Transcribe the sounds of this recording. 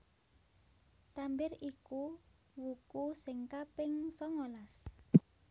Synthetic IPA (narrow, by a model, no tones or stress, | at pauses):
t̪ambɪriku | wukusɪŋkapɪŋsɔŋolas